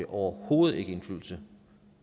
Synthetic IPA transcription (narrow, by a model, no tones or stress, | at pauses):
eʔɒʊɐho̝̰ːð̩ˠe̝ɡ̥əe̝nflyð̰ˠl̩sə